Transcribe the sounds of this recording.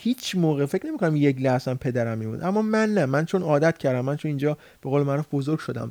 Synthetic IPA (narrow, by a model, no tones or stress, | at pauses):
hiːt͡ʃʰmoːɣefecʰne̞mikʰonæmjek̬læhsæmpʰe̞d̪æɾæmːiːmṵnd̪ʔæmːɒːmænːæmænt͡ʃʰonɒːd̪æt̪̚cʰæɾd̪æmːænt͡ʃʰonind͡ʒɒː | b̥e̞ɣoːlemæɾuːfbozoɾɡ̥ʲʃod̪æ̰m